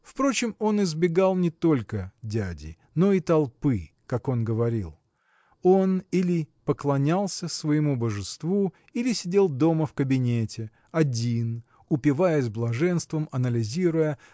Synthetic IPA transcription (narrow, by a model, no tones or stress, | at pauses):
fpɾo̞t͡ɕɪmo̞nɪzbʲɪɡalˠnʲɪt̪o̞lʲkədʲædʲɪ̰ | no̞it̪ɐlˠpɨ | kako̞nɡəvɐɾʲḭlˠ | o̞nilʲɪpəklˠɐnʲalˠsʲəsvəjɪmubəʐɨst̪vu | ilʲɪsʲɪdʲe̞lˠd̪o̞məfkəbʲɪnʲetʲɪ | ɐdʲin | ʊpʲɪvajɪz̬ʲblˠɐʐɛnst̪vəmɐnəlʲɪzʲiɾʊjə